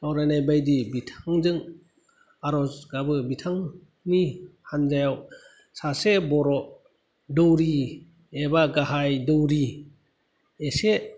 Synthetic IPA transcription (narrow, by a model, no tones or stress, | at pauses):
tɔwɾanajbajdibitʰaŋzɯŋ | aɾɔzɡabɯbitʰaŋ | nihanzajaw | sasebɔɾɔ | dɔwɾi | ebaɡaɦajdɔwɾi | ese